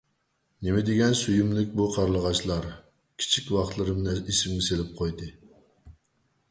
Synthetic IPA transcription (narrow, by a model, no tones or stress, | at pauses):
nemɪd̪eɡʲɛnsyjymlɪkʲbuqʰɑɾlˠəʁɑt͡ʃlˠɑɾ | kʲʰi̥t͡ʃʰikʲwɑχt̪lˠɨɾɨmnɨisɪmɡʲɪselɪp̚qʰojd̪ɨ